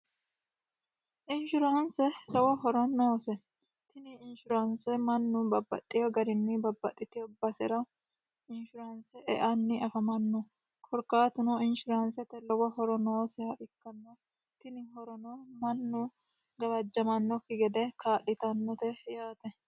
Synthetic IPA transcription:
ʔɪnʃʊɾaːnsɛlɔwɐɦɔɾɐnːoːsɛ | t̪ɪnɪɪnʃʊɾansɛmɐnːubɐbːɐ̰t̪ʼːɪjɔɡɐɾɪnːɪbɐbːɐt̪ʼːɪt̪ɪjɔbɐsɛɾɐ | ɪnʃʊɾansɛʔɛ̰ʔɐnːɪʔɐfɐmɐnːɔ | kʰɔɾkaːt̪ʊnɔɪnʃʊɾaːnsɛt̪ɛlɔwɐhɔɾɔnoːsɛhɐʔɪkːɐnːo | t̪ɪnɪɦɔɾɔnomɐnːu | ɡɐbɐd͡ʒːɐmɐnːɔkːɪɡɛd̪ɛkaːᶑɪt̪ɐnːɔt̪ɛjaːt̪ɛ

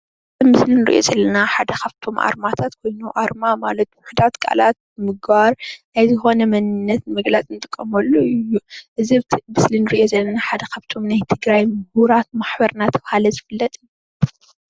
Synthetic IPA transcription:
zɨmːɨslinɨɾḭʔo̞̰zɐlːɐnaħad̪ɐkaβt̪ʰo̞mʔa̰ɾmat̪ʰat̪kʰo̞jnuʔaɾmamalɐt̪̚wʊħud̪at̪kʼa̰lat̪̚mɨɡbaɾʔajzɨxo̞nɐmɐnɨnːɐt̪mɨɡlat͡sʼɨnɨt̪ʼɨkʼːɐmɐlːoɨjːuʔɨzimɨslinɨɾiʔjo̞zɐlːɐnaħad̪ɐkʰaβt̪ʰo̞mnajt̪ʰɨɡɾajmɨbuɾat̪̚maħbɐɾnat̪ʰɐβhalɐzɨfɨlːɐt̪ʼɨn

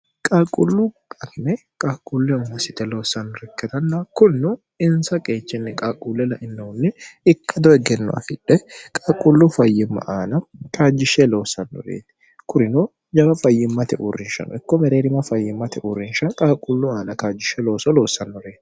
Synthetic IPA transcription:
kʼaːkʼʊlːʊ | ɐknɛ | kʼaːkʼulːɛmːɐsɪt̪ɛlo̞ːsːɐnːɔɾɛkːɛt̪ɐnːɐkʊnːʊ | ɪnsɐkʼeːt͡ʃːɪnːɪkʼaːkʼuːlːɛlɐʔɪnːɛʊnːɛɪkːɐd̪ɔɛɡɛnːɔ̰ɐ̰fɪᶑɛkʼaːkʼʊlːufɐjːɪmːɐ̰ʔaːnɐkʰaːd͡ʒːɪʃɛlo̞ːsːɐnːɔ̰ɾḛːt̪ɪ̥ | kʊɾɪnoː | d͡ʒɐbɐfɐjːɪmːɐt̪ɛʔʊ̰rːɪnʃɐ̰nɔ̰ɪkːɔmɛɾeːɾɪmɐfɐjːɪmːɐt̪ɛʔʊɾɪnʃɐnkʼaːkʼʊlːʊaːnɐkaːd͡ʒːɪʃɛlo̞ːsɔloːsɐnːɔɾe̞ːt̪

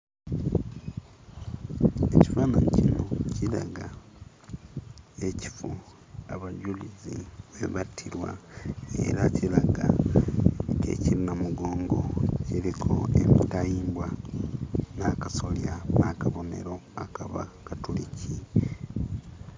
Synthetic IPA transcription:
e̞ci̥faːnaɲcinocila̰ɡa | e̞ci̥fu | aβaɟuliziβe̞βatʰiɾwa̰ḛɾacilaɡa̰ | ke̞̰ciɾinamuɡo̞ːŋɡo̞̰ciɾikʰo̞̰e̞mitajiːmbwa | nakaso̞ljanakaβo̞ne̞̰ɾo̞akʰaβakatulicʰi

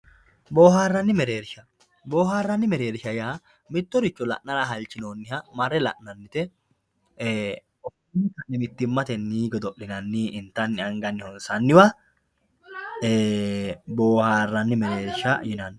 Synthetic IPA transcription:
boːhaːrːɐnːɪmɛɾeːɾʃɐ | bo̞ːhaːrːɐnːɪmɛɾeːɾʃɐjaː | mɪt̪ːɔɾɪt͡ʃːɔlɐ̰ʔnɐɾaɦɐlt͡ʃːɪnoːnːɪhɐmɐrːɛlɐ̰ʔnɐnːɪt̪ɛ | ɔfnːɪkɐnːɪmɪt̪ːɪmːɐt̪ɛnːiːɡɔd̪ɔʔlɪnɐnːiːʔɪnt̪ɐnːɪɐŋɡɐnːɪhɔnsɐnːɪwɐ | e | boːhaːrːɐnːɪmɛɾeːɾʃɐjɪnɐnː

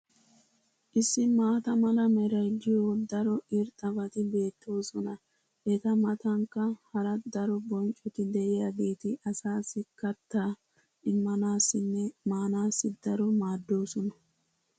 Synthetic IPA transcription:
ʔɪsːɪmaːt̪ɐmɐlɐmɛɾɐjd͡ʒɪjod̪ɐɾɔɪɾt̪ʼɐbɐt̪ɪbe̞ːt̪ːo̞ːsɔnɐ | ʔɛt̪ɐmɐt̪ɐŋkːɐhɐɾɐd̪ɐɾɔbɔnt͡ʃʼɔt̪ɪd̪ɛʔɪjaːɡe̞ːt̪ɪʔɐsaːsːɪkɐt̪ːaː | ʔɪmːɐnaːsːɪnːɛmaːnaːsːɪd̪̥ɐɾɔmaːd̪ːo̞ːsɔnɐ

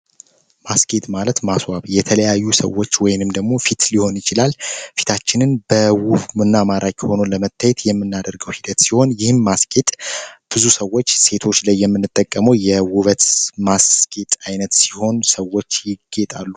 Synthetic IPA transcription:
maskʼet̪ʼmalət̪maswaβjɛt̪ʰələjajːusə̰wot͡ʃːwɔjɪnɨmd̪əɡmo̞fit̪liho̞njɪt͡ʃɪlalfi̥t̪ʰat͡ʃːɪnɨnb̥əwuβmɨnːamaɾʔakʼiho̞noləmət̪ʰːajɛt̪jɛmːɨnːad̪əɾɡəwhid̪ət̪siho̞njɪhɨnmaskʼet̪ʼb̥ɨzusəwːo̞t͡ʃːse̞t̪ʰo̞t͡ʃːlajːɛmːɨnːɨt̪ʼːəkʼːəməwjɛwuβət̪maskʼet̪ʼajnət̪siho̞nsəwo̞t͡ʃːjɪɡːet̪ʼalːu

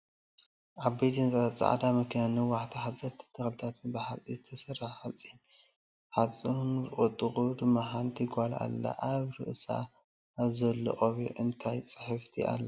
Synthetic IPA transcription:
ʔaβbejt̪ʰint͡sʼat͡sʼa̰ʕd̪amɐkʰinanɨwaħt̪ʰiħat͡sʼɐt̪ʰɨ̥t̪ʰːɨxlt̪ʰat̪ʰɨnbaħalt͡sʼizɨt̪ʰɐsɐɾaħat͡sʼi | ħat͡sʼuunɨχʼɨt̪ʼːɨχʼud̪ɨmːaħant̪ʰiɡʷala̰lːɐ̰ʔaβɾɨ̰ʔsa̰ː | βzɐlːɨ̰ʔʼoβṵʔɨnt̪ʰajt͡sʼɨħɨft̪ʰiʔa̰lːɐ

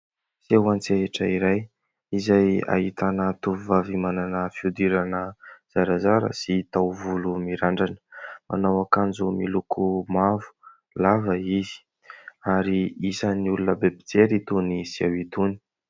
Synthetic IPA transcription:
sewant͡seeʈ͡ʂəiɾaj | izaja̰ɦit̪anət̪uvuvavimananəfiud̪iɾanəz̥aɾazaɾə̰sit̪awvulumiɾaɳɖ͡ʐanə̥mʔa̰nawakand͡zumilukʰumavu̥ | lavəizi̥ | aɾiisəniulunəbebi̥d͡zeɾit̪unisia̰wit̪uni̥

